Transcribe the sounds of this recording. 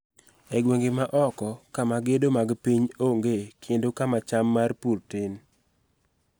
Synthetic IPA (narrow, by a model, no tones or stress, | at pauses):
ɛɡweŋɡemaʔɔkɔkamaɡedomaɡpiɲoŋɡekʰendokamat͡ʃamːarpurtɪn